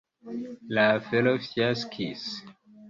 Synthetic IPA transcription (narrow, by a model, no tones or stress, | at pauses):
lafɛlofjaskʰḭs